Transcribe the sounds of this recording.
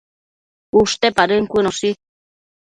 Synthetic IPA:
uʂt̪epaɾəŋkʷinosi

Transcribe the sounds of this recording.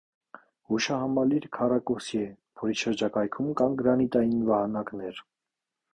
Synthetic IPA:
huʃɑhɑmɑliɾkʰɑrɑkɔsjɛpʰɔɾiʃəɾd͡ʒɑkɑjkʰumkɑnɡɾɑnit̪ɑjinvɑhɑnɑknɛɾ

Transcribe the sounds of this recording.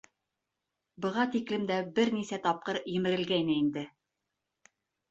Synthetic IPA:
bɤ̆ʁɑt̪iklɘmd̪æbɘɾnisæt̪ɑp̚qɤɾjɘ̆mɘ̆ɾɘ̆lɡæjnɘind̪ɘ

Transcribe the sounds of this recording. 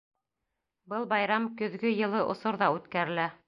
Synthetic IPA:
bɤlˠbɑjɾɑmkɵ̆ðɡɵjɤ̆lˠɤʔŏsoɾðɑʉt̪kæɾɘ̆læ

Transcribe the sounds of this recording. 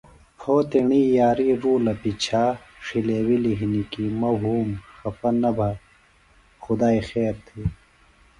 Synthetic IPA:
pʰoːt̪iɳiːjaːɾiːɾuːlɐpit͡ɕʰaː | ʂileːwiliɦinikimɐwɦuːmxɐpɐnɐbʱa | xʊd̪aːixeːɾt̪ʰiː

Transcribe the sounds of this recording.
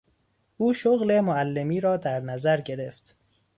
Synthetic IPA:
ʔuːʃoɣle̞moælːe̞miːɾɒːd̪æɾnæzæɾɟe̞ɾe̞ft̪

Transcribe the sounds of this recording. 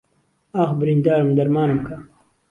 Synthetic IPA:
aːxbɾind̪aːɾmd̪ɐɾmaːnumkʰa

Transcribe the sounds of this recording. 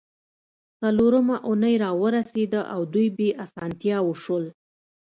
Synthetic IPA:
t͡saloɾəmaʔunəjɾɑwəɾased̪əʔawd̪ujbeʔasɑnt̪jɑwəʃəl

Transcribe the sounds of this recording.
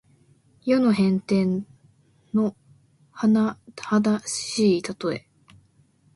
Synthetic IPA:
jonoɦẽ̞nt̪ẽ̞n | nːo̞ | hanahad̪aɕiːt̪at̪o̞e̞̰

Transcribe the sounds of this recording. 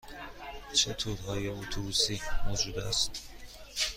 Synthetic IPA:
t͡ʃʰet̪ʰuːɾɦɒːjeot̪ʰobuːsiːmod͡ʒuːd̪æ̰st̪

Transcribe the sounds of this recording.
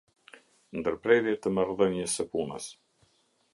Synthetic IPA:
nd̪əɾpɾɛɾjɛt̪əmaɾðəɲəsəpunə̰s

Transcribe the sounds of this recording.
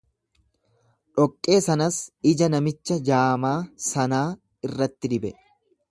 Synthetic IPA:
ᶑɔkʼːe̞ːsɐnɐsɪd͡ʒɐnɐmɪt͡ʃːɐd͡ʒaːmaːsɐnaː | ɪrːɐt̪ːɪd̪ɪbɛ

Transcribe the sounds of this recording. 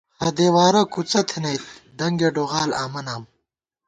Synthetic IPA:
hɐd̪eːwaːɾɐkut͡sɐt̪ʰinɐjt̪̚d̪ɐŋɡeɖoːʁaːlaːmɐnaːm

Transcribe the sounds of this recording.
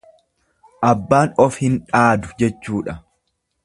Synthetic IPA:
ʔɐbːaːnɔfhɪnᶑaːd̪ʊd͡ʒɛt͡ʃːuːᶑɐ

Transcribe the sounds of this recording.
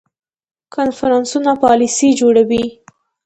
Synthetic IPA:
kʰanfaɾɑnsunapɑlisid͡ʒoɽawi

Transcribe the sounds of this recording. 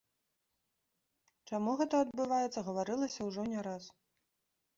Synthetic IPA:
t͡ʂamuɣɛt̪ɐɐd̪bɨvajɛt̪sːɐɣɐvaɾɨlˠɐsʲɐwʐɔnʲɛɾas

